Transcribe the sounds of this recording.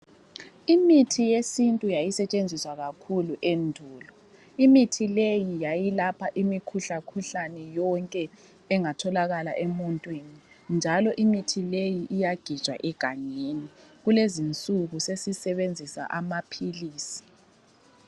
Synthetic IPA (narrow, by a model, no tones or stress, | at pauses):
imitʰijesintʼujajisɛt͡ʃʼend͡zʱiswaɣakʰuluʔendʱuːlɔ | imitʰilejijajilapʰaʔimikʰuɬakʰuɬanɛjɔŋkʼɛ | ɛŋatʰɔlaɣalaʔɛmɔntʼwini | nd͡ʒʱalɔʔimitʰilejiʔːjaɡ̥ʱit͡ʃʼwa̰ʔɛɡ̥ʱaɲeniɣulezint͡sʼuɣusesisɛβend͡zʱisa̰ʔamapʰiliːsi̥